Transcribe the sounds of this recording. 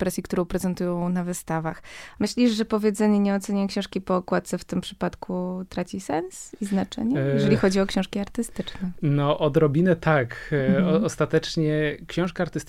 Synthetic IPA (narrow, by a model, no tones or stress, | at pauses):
pɾɛsʲjikt̪uɾɔ̃w̃pɾɛzɛnt̪ujɔ̃w̃navɘst̪avaxmɘɕlʲiʐʐɛpɔvʲjed̪zɛɲɛɲɛɔt̪sɛɲakɕɛ̃w̃ʂkʲipɔkwat̪t̪sɛft̪ɘmpʂɘ̥pat̪kʰut̪ɾat͡ɕisɛnsiznat͡ʂɛ̰ɲɛjjɛʐɛlʲixɔd͡ʑiɔkɕɔ̃w̃ʂkʲiaɾt̪ɘst̪ɘt͡ʂnɛnɔʔɔd̪ɾɔbʲinɛt̪ʰakɔɔst̪at̪ɛt͡ʂɲɛkɕɔ̃w̃ʂkaaɾt̪ɘst̪